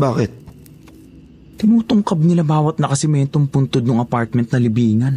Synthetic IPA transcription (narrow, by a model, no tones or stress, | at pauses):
baːkɪt̪̚ | t̪ɪnuːt̪ʊŋkɐb̚nɪlabaːwɐt̪̚nɐkɐsɪmɛnt̪ompʊnt̪od̪nʊŋɐpaɹt̪̚mɛnt̪̚nɐlɪbiːŋɐn